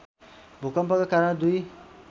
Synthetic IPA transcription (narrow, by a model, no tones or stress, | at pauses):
bʱukʌmpʌkakaɾɽd̪uj